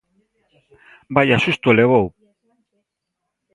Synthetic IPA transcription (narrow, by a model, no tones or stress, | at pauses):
bajasust̪ueleβow